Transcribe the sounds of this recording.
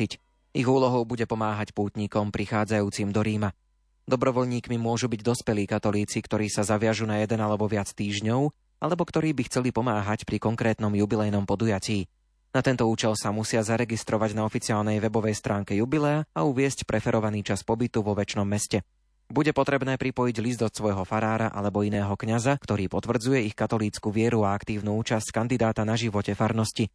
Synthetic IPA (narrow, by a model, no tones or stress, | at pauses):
ic | iɣuːlɔɦɔʊbuɟɛpɔmaːɦacpuːt̪ɲikɔmpɾixaːd͡zajuːt͡simd̪ɔɾiːma | d̪ɔbɾɔʋɔʎɲiːkmimʊɔʒubiɟd̪ɔspɛliːkat̪ɔliːt͡sikt̪ɔɾiːsazaʋɪaʒunajɛd̪ɛnalɛbɔʋɪat͡st̪iːʒɲɔʊ | alɛbɔkt̪ɔɾiːbixt͡sɛlipɔmaːɦacpɾikɔŋkɾɛːt̪nɔmjubilɛjnɔmpɔd̪ujaciː | nat̪ɛnt̪ɔuːt͡ʃɛlsamusɪazaɾɛɡist̪ɾɔʋaɟnaɔfit͡siaːlnɛjʋɛbɔʋɛjst̪ɾaːŋkɛjubilɛaauʋɪɛscpɾʔɛfɛɾʔɔʋaniːt͡ʃaspɔbit̪uʋɔʋɛt͡ʃnɔmːɛscɛ | buɟɛpɔt̪ɾɛbnɛːpɾipɔjiɟlizd̪ɔt̪sʋɔjɦɔfaɾaːɾaʔa̰lɛbɔinɛːɦɔkɲazakt̪ɔɾiːpɔt̪ʋr̩d͡zujɛixkat̪ɔliːt͡skuʋɪɛɾuaakt̪iːʊnuuːt͡ʃasckand̪id̪aːt̪anaʒiʋɔcɛfaɾnɔsci